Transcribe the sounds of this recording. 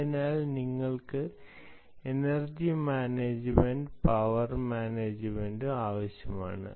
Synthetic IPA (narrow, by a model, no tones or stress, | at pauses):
inaːlniŋːɐɭkɨ | enɐrd͡ʑimaːneːd͡ʑɨmeɳɖpɐʋɐrmaːneːd͡ʑɨmendɨaːʋɐɕjɐma̰ːɳɨ̰